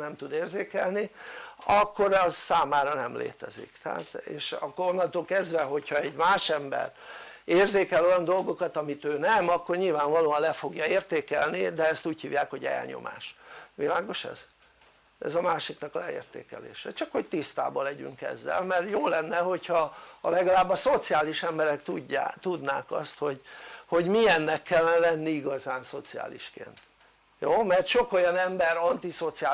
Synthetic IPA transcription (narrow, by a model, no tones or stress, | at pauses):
nɛmt̪ud̪eːrzeːkɛlniɒkːo̞ɾɛzsaːmaːɾɒnɛmlḛːt̪ɛzḭkt̪ɛɦa̰ːt̪eːʃɒkːoɾonːɒnt̪oːlkɛzd̪vɛɦo̞chɒɛɟmaːʃɛmbɛ̰reːrzeːkɛlo̞jɒnd̪o̞lɡo̞kɒt̪ɒmit̪øːnɛmɒkːo̞rɲilvaːɱvɒloːɒnlɛfo̞ɡjɒeːrt̪eːkɛlnid̪ɛɛst̪uːchiːvjaːkho̞ɟɛ̰lɲo̰ma̰ːʃʋilaːɡo̞ʃɛ̰z̥ | ɛ̰zɒmaːʃiknɒklɛḛːrt̪ḛːkɛ̰lḛːʃɛ̰t͡ʃɒkho̞ct̪ist̪a̰ːbɒlɛɟy̰ŋkɛ̰zːɛ̰lmɛrjoːlɛnːɛɦo̞chɒːlɛɡɒlaːbːɒso̞t̪sijaːliʃɛmbɛɾɛkt̪uat̪ud̪naːkɒ̰st̪ho̞ɟho̞ɟmiɛnːɛkːɛlːɛnɛvɛnːiiɡɒzaːnso̞t̪sia̰ːlḭʃkḛːnt̪ | joːmɛrt̪ʃo̞ko̞jɒnɛmbɛɾɒnt̪iso̞t̪siaː